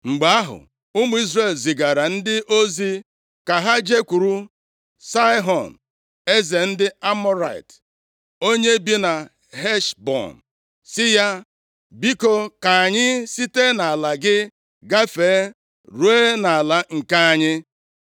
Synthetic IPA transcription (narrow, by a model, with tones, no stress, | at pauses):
ŋ͡m̩˨ɡ͡ba˨a˦ɦʊ̰˨ | ʊ˦mu˦i˦zre˦˨lzi˨ɡa˨ɾa˨n̩˦dɪ˦ʔo˦zi˦ | ka˨ɦa˦d͡ʒe˦kʷu˨ɾu˦ | sa˦ɪ˦ɦɔ˨n̩˨ | e˦ze˨n̩˦dɪ˦a˦mɔ˦ɾa̰˨j̰t | o˦ɲe˦bi˦na˨ | ɦe˦ʃbɔ̰˨n̩˨ | sɪ˦ja˦ | bi˦ko˨ka˨a˨ɲɪ˦si˦te˦na˨a˨la˨ɡɪ˦ | ɡa˦feː˨˦ | ɾu˨˦e˦na˨a˨la˨ŋ̩˨ka˦a˨ɲɪ˦